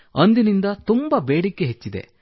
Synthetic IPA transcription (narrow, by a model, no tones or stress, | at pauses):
ɐnd̪inind̪ɐt̪umbɐbeːɽikːeɦet͡ʃːid̪e̞̰